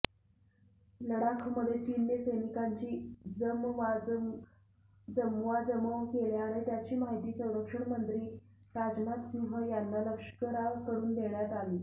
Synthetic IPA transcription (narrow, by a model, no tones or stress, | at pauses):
ləɽakʰməd̪ʱːjet͡ɕinjəsəjnikaɲt͡ɕiːd͡zəmʋad͡z | d͡zəmʋad͡zəməʋkeɭjaɽ̃et̪jat͡ɕiːmaɦit̪iːsə̃w̃ɾəkʂəɳmənt̪ɾiː | ɾad͡ʑnat̪siɦəjanːaləkʂə̥kəɾaʋkəɾuːnd̪ʱeɳjat̪aliː